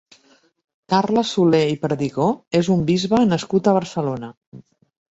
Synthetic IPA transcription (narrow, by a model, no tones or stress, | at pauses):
kaɾləsuleipəɾðiɣoezumbizβənəskut̪əβ̞əɾsəlonə